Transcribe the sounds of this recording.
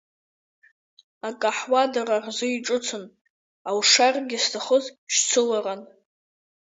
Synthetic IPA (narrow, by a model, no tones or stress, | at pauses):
akʼaħwadararzʊiʈ͡ʂʼʊt͡sʰɨn | awʂarɡʲɪstʰaχəzʃt͡sʰɨlaran